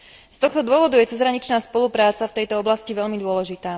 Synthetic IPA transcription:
st̪ɔxt̪ɔd̪ʊɔʋɔd̪ujɛt͡sɛzɾaɲit͡ʃnaːspɔlupɾaːt͡saft̪ɛjt̪ɔɔblasciʋɛʎmid̪ʊɔlɛʒit̪aː

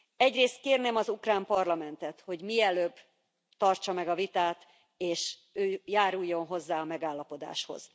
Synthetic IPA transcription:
ɛɟreːst̪̚keːrnemɒzukraːmpɒrlɒmɛnt̪ɛt̪ho̞ɟmiɛløːbː | t̪ɒrt͡ʃɒmɛɡɒvit̪aːt̪ | eːʃ | øːjaːɾujːo̞nɦo̞zːaːɒmɛɡaːlːɒpo̞d̪a̰ːʃho̞̰z̥

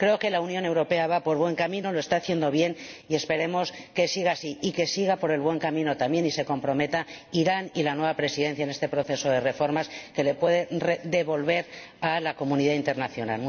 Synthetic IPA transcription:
kɾe̞oke̞launjõ̞ne̞wɾo̞pe̞aβ̞apo̞ɾβwe̞ŋkamĩno̞loe̞st̪aːθje̞nd̪o̞β̞je̞n | ie̞spe̞ɾe̞mo̞s | ke̞siɣ̞aːsiike̞siɣ̞apo̞ɾe̞lβwe̞ŋkamĩno̞t̪ambje̞nise̞ko̞mpɾo̞me̞t̪aiɾanilanwe̞β̞apɾe̞siðe̞nθjaene̞st̪e̞pɾo̞θe̞so̞ðe̞re̞fo̞ɾmaske̞le̞pwe̞ðered̪e̞βo̞lβe̞ɾalako̞mũniðaint̪e̞ɾnaθjo̞na̰l

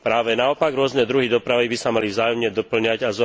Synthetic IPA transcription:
pɾaːʋɛnaɔpaɡɾʊɔznɛd̪ɾuɦid̪ɔpɾaʋibisamalivzaːjɔmɲɛd̪ɔpl̩ɲaɟazɔ

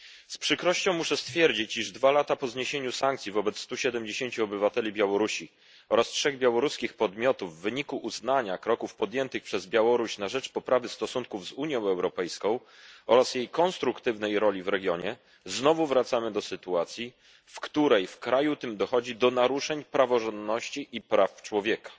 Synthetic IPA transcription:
spʂɘkɾɔɕt͡ɕɔ̃w̃muʂɛst̪fʲjɛɾd͡ʑit͡ɕiʐd̪valat̪apɔzɲeɕeɲusaŋkt̪sʲjivɔbɛt̪st̪uɕɛd̪ɛmd͡ʑeɕeɲt͡ɕuɔbɘvat̪ɛlʲibʲjawɔɾuɕi | ɔɾastʂɛɣbʲjawɔɾuskʲixpɔd̪mʲjɔt̪uvːɘɲikuʔːznaɲakɾɔkufpɔd̪jɛnt̪ɘxpʂɛzbʲjawɔɾuɕnaʐɛt͡ʂpɔpɾʔavɘst̪ɔsuŋkuvzuɲjɔ̃w̃ɛwɾɔpɛjskɔ̃w̃ | ɔɾasjejkɔnst̪ɾukt̪ɘvnɛjɾɔlʲivɾɛɡʲjɔɲɛ | znɔvuvɾat̪samɘd̪ɔsɘt̪uat̪sʲji | fkt̪uɾɛjfkɾajut̪ɘmd̪ɔxɔd͡ʑid̪ɔnaɾuʂɛɲpɾavɔʐɔnd̪nɔɕt͡ɕiʔipɾaft͡ʂwɔvʲjɛkḁ

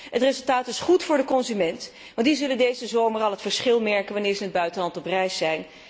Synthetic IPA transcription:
ətrezɵlˠtaːtɪsχutfʊːɹdəkɔnzymɛnt | ʋɑ̃ntdizɵləndejzəzowməɹɑlˠɦətfəɹsχɪlˠmɛɹkənʋanɪːɹzəɦəd̚bœɥtənɦɑntɔprɛjsɛjn

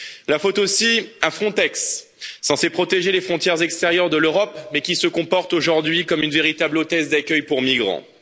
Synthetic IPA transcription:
lafot̪osiafχɔ̃t̪ɛksː | ɑ̃sepχɔt̪eʒelefχɔ̃t̪jɛʁzɛkst̪eʁjœʁd̪əløʁɔpmɛkʲisəkɔ̃pɔʁt̪oʒuʁd̪ɥikɔmynveʁit̪ablot̪ɛzd̪akʲœjpuʁmiɡʁɑ̰̃

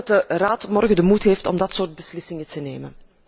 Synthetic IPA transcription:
tdəraːtmɔrɣədəmutɦeːftɔ̰mdɑtsoːrd̚bəslɪsɪŋətəneːmən

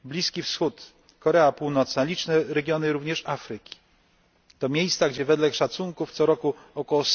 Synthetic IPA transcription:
blʲiskʲifsxut̪ | kɔɾɛapuwnɔt̪snalʲit͡ʂnɛɾɛɡʲjɔnɘɾuvɲɛʂafɾɘkʲi̥ | t̪ɔmʲjejst̪saɡd͡ʑɛvɛd̪lɛkʂat̪suŋkuft̪sɔɾɔkuɔkɔwɔs

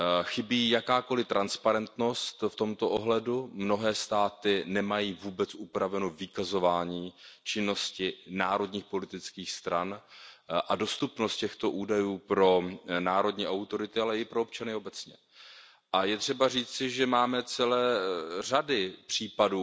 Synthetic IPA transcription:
xɪbiːjakaːko̞lɪt̪ɾʔanspaɾɛnt̪no̞st̪ft̪o̞mt̪o̞ʔoɦlɛdumno̞ɦɛːst̪aːt̪ɪnɛmajiːvuːbɛt͡sʔupɾavɛnovɪkazo̞vaːɲiːt͡ʃɪnːo̞scɪnaːɾo̞dɲiːxpo̞lɪt̪ɪt͡skiːxst̪ɾan | ʔado̞st̪upnost̪̚cɛxt̪o̞ʔuːdajuːpɾo̞naːɾo̞dɲiːʔawt̪o̞ɾɪt̪ɪalɛɪpɾop̚t͡ʃanɪo̞bɛt͡sɲɛ̰ | ʔajɛt̪r̝̥ɛbariːt͡sɪʒɛmaːmɛt͡sɛlɛːr̝adɪpr̝̥iːpaduː

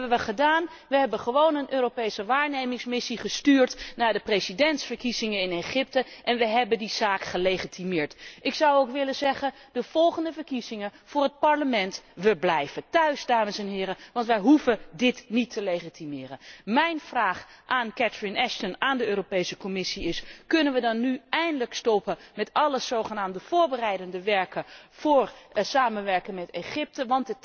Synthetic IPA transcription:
bəʋəχədaːn | ʋəɦɛbəχəʋownənʔøːropejsəʋaːɹnejmɪŋsmɪsiχəstyːɹtnaːɹdəprejzidɛntsfəɹkizɪŋənɪneχɪp̚təʔɛnʋəɦɛbəndiz̥aːkχəlejχitimɪːɹtʔɪksɑwowkʋɪləzɛχən | d̥əv̥ɔlˠχəndəvəɹkizɪŋəv̥ʊːrɦət̚pɑɹləmɛntʋəblɛjvətœɥzdaːməsɛnɦɪːɾəʋɑntʋəjɦuvədɪtnitʰːəlejχitimɪːrənmɛjnv̥raːχʔaːnkɛtɹɪnɛʃtənaːndəøːropejsəkɔmɪsiɪskɵnənʋədɑnːyɛjndələkstɔpəmɛtɑləz̥owχənaːmdəv̥ʊːɹbərɛjdəndəʋɛɹkəv̥ʊːrsaːmənʋɛɹkəŋmɛteχɪp̚təʋɑntət

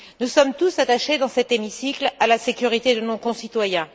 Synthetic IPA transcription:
nusɔmt̪usat̪aʃed̪ɑ̃sɛt̪emisiklalasekʲyʁit̪ed̪ənõkɔ̃sit̪wajɛ̃

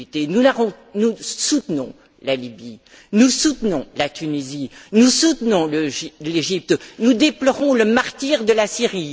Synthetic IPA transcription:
it̪enunaʁɔ̃ | nusut̪nɔ̰̃ | lalibi | nusut̪nɔ̃lat̪ynizinusut̪nɔ̃ləileʒip̚t̪nud̪eplɔʁɔ̃ləmaʁt̪iʁd̪əlasiʁi

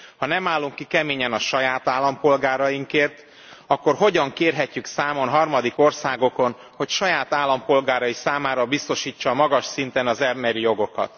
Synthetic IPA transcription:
hɒnɛmaːlːuŋkːikɛmeːɲɛnɒʃɒjaːt̪aːlːɒmpo̞lɡaːɾɒjiŋkeːrt̪ | ɒkːo̞rɦo̞ɟɒŋkeːrɦɛcːyksaːmo̞nɦɒrmɒd̪iko̞rsaːɡo̞ko̞n | ho̞cʃɒjaːt̪aːlːɒmpo̞lɡaːɾɒisaːmaːɾɒbist̪o̞ʃiːt͡ʃːɒːmɒɡɒʃsint̪ɛnɒzɛmbɛɾijo̞ɡo̞kɒ̰t̪

